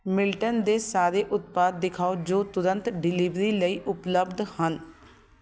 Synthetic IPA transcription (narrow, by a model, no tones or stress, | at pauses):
mɪlʈənd̪eːsaːɾeːʔʊt̪̚paːd̪ːɪkʰaːod͡ʒoːt̪ʊɾənt̪ɖɪliːʋɾiːləiːʔʊpləbd̪hən